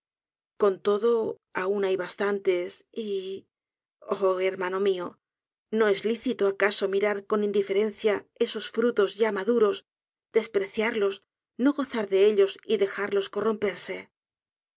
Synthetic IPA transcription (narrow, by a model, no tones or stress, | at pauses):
ko̞nt̪o̞ðo̞ | aunajβast̪ant̪e̞si | oeɾmano̞mio | no̞e̞zliθit̪oakaso̞miɾaɾko̞nĩnd̪ife̞ɾe̞n̟θjae̞so̞sfɾut̪o̞zʝamaðuɾo̞z | d̪̥e̞spɾe̞θjaɾlo̞s | no̞ɣo̞θaɾðe̞e̞ʎo̞siðe̞xaɾlo̞sko̞ro̞mpe̞ɾse̞